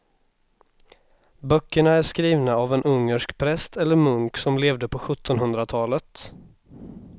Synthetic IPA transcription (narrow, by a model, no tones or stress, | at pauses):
bœkːəɳaæʂkɾiːvnaavɛnʔɵŋːəʂkpʰɾɛst̪ʰɛlːəɾmɵŋksɔmleːvd̪əpʰɔɧɵt̪ʰːɔnɦɵnd̪ɾat̪ʰɑːlət̪